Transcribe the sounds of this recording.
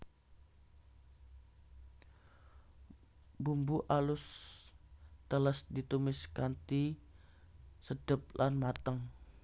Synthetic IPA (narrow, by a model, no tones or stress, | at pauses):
bumbuʔalʊs | t̪ələsdit̪umɪskant̪i | sədəp̚lanmat̪əŋ